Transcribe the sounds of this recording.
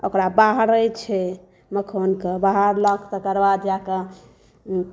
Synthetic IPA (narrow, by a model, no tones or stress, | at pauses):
o̰kɾabaɦɾəjt͡ʃʰɛ | məkʰonkebaɦəɾləkʰt̪əkəɾbad̪jakə